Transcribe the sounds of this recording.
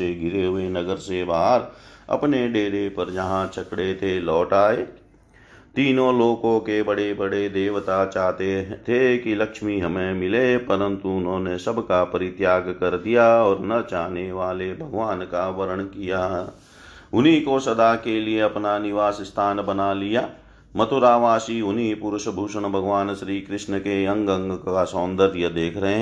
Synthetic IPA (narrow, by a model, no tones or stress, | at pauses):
eɡʱɪɾeɦʊenəɡəɾsebaːɾɐ̰pneɖeːɾepəɾd͡ʒəɦãt͡ʃʰɐkɽet̪ʰelɔːʈaːe | t̪iːnõloːkõkebəɽebəɽed̪eːʋt̪at͡ʃaːt̪et̪ʰekiləkʃmiɦəmẽmɪlepəɾə̃nt̪uʊnɦõːnesəbkapəɾɪt̪jaːɡkəɾd̪ijaɔːɾnɐt͡ʃaːneʋaːlebʱɐɡʋaːnkaʋɐɾəɽ̃kija | ʊnikosɐd̪akelieɐpnanɪʋaːsst̪ʰaːnbɐnalijaː | mɐt̪ʊɾaːʋaːsiʊnipʊɾʊʃbʱuːʃəɽ̃bʱɐɡʋaːnʃɾiːkɾɪʃnəkeɐ̃ŋɡə̃ŋɡkasɔːnd̪əɾjəd̪eːkʰɾɐɦẽɦ